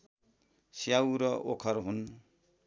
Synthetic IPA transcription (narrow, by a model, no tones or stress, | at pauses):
sjawɾʌʔokʰʌɾɦun